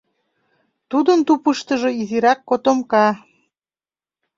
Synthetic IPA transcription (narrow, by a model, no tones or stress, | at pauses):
t̪ud̪ənt̪upəʃt̪əʒoiziɾɑkːot̪omkɑ